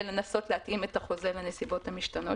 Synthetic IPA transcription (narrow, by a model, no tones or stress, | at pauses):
lenaso̞tleatʔimetaχo̞zelenesibo̞thamiʃtano̞